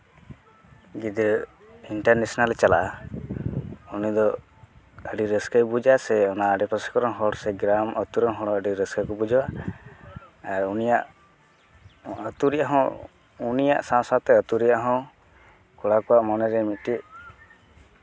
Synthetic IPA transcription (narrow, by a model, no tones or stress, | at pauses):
ɡid̪iɾ | iɳʈaɾnesɔnalt͡ʃala̰ | unid̪ɔ | əɖiɾəskajbud͡ʒasɛɔnaəɖɛpɔsɛ̥kɔɾɔnɦɔɽsɛɡɾamət̪uɾɔnɦɔɽɔəɖiɾəskakɔbud͡ʒɔwa | ɾunijaʔ | ət̪uɾiaɦɔ̃ | unija̰ʔsãsat̪ɛət̪uɾijaɦɔ̃ | kɔɽakɔaʔmɔnɛɾɛmiʈiʔ